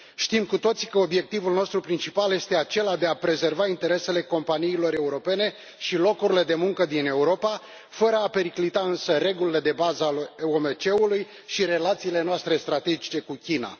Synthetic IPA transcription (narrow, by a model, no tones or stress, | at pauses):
ʃt̪imkut̪o̞t̪si̥kəo̞bje̞k̚t̪ivulno̞st̪ɾupɾint͡ʃipalje̞st̪e̞at͡ʃe̞lad̪e̞apɾe̞ze̞rvaint̪e̞ɾe̞se̞le̞ko̞mpaniːlo̞ɾe̞uɾo̞pe̞ne̞ | ʃilo̞kuɾile̞d̪e̞muŋkəd̪ine̞uɾo̞pa | fəɾəape̞ɾiklit̪aɨnsəre̞ɡulile̞d̪e̞bazəomet͡ʃe̞uluj | ʃiɾe̞lat̪siːle̞noast̪ɾe̞st̪ɾat̪e̞d͡ʒit͡ʃe̞kukʲina̰